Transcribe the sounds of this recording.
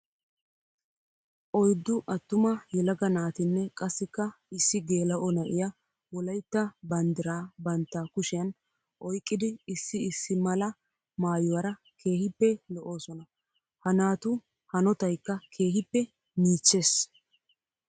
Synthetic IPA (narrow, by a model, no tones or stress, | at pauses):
ʔɔjd̪ːʊʔɐt̪ːʊmɐjɛlɐɡɐnaːt̪ɪnːɛkʼɐsːɪkːɐɪsːɪɡe̞ːlɐʔɔnɐʔɪjɐ | wɔlɐjt̪ːɐbɐnd̪ɪɾaːbɐnt̪ːaːkʊʃɪjɐn | ʔɔjkʼːɪd̪ɪɪsːɪɪsːɪmɐlɐ | maːjʊwɐɾɐ | kʰe̞ːhɪpːɛlɔʔo̞ːsɔnɐ | hɐnaːt̪ʊ | hɐnɔt̪ɐjkːɐkʰe̞ːhɪpːɛ | miːt͡ʃːe̞ːs